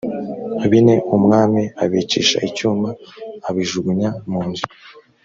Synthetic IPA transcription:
aβine̞ʔumŋaːmiaβiciːʃa̰ʔicuːmbaːβiʒuɡuɲamuːnzu

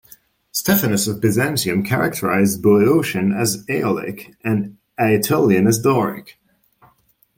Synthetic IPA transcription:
stɛfənɨsʌvbɨzɛ̃nsiɨ̃mkʰæɹɨk̚tʰə˞a̰ɪzbuoʊʃɨ̃nɨzeɪlˠɪ̰kʔɨ̃n | æɨtʰolˠjɨ̃nɨzdɔɹɪ̰k

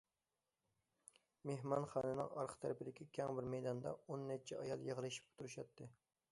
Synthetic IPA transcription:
meɦmɑnχɑːnɨnɨ̰ŋɑ̰ɾqʰt̪ʰæɾɪpɪd̪ɪkʲʰikʲʰɛŋbɪɾmɛjd̪ɑnd̪ɑ̰onːɛt͡ʃʰɛɑjɑlˠjəʁlˠɨʃi̥p̚t̪ʰuɾuʃɑt̪ʰːɨ

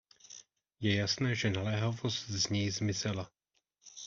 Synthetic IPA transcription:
jɛjasnɛːʒɛnalɛːɦovost̪zɲɛjzmɪzɛla

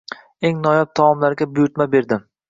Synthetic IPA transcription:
e̞ŋnɒjap̚t̪ʰamɒmlaɾɡʲabʊjʊɾt̪mabe̞ɾd̪ɪm

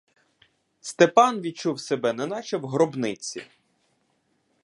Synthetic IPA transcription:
st̪epɑnʋʲid̪̚t͡ʃuwsebɛnɛnɑt͡ʃɛwɦɾɔbnɪt͡sʲḭ

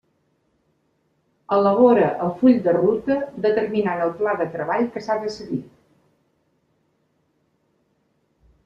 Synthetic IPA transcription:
ələβɔɾəʔəlˠfuʎʲd̪ərut̪əd̪ət̪ərminanəlˠplaðət̪ɾəβaʎkəsaðəsəɣi

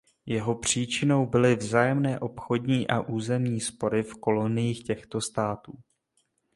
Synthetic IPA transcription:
jɛɦo̞pr̝̥iːt͡ʃɪno̞wbɪlɪvzaːjɛmnɛːʔo̞pxo̞dɲiːʔaʔuːzɛmɲiːspo̞ɾɪfko̞lo̞nɪjiːxcɛxt̪o̞st̪aːt̪uː

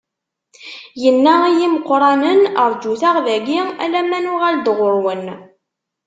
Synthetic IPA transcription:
jənːæijiməqːɾˤɑnənəɾˤd͡ʒuθaʁðæɡiæ̰læmːænʊʁæld̪ʁʊɾwən

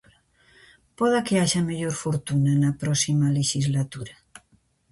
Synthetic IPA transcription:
pɔðakeaʃameʎoɾfoɾt̪unanapɾɔsimaleʃizlat̪uɾa

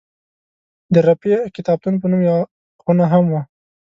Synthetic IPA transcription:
d̪əɾapekɪt̪ɑb̚t̪unpənumjawa | ɣunaɦamwa

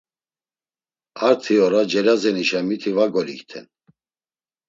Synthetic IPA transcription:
aɾt̪ʰiɔɾad͡ʒɛɾazɛniʃamit̪ʰivaɡɔlikt̪ʰɛn

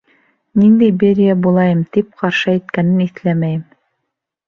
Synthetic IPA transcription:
nind̪æjbeɾʲijæbulˠɑjɤmt̪ip̚qɑɾʃɤæjt̪kænɘniθlæmæjɘm

